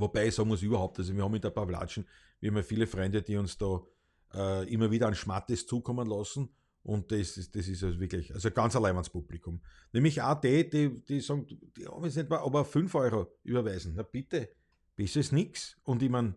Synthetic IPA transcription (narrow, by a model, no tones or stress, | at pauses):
vobæɪɪçsɔɡŋmʊs̬yːbɐhɑʊp̚t̪asoviɐhɑmɪndəɐpafla̰ːʃn̩ | viɐhɑmɐfiːləfʁɛ̃ndəd̥iːʊnsd̥ɔː | ʔəːimɐviːdɐanʃmat̪ɪst͡suːkʰɔmənlɑsn̩ | ʔʊ̃nt̚ːessd̥es̬ɪsvʋiɐklɪçalsoɡ̥ɑnt͡sɐlɛɪnanspublɪkʰʊm | nemlɪçaːd̪eːd̥id̥isɔɡŋdd̥ihɔ̰bmesnɛtmaʔɑbɐfʏnfɔʏʁoʔy̰ːbɐvæɪzn̩nɐpɪtə | b̥ɪstesnɪksʊndɪman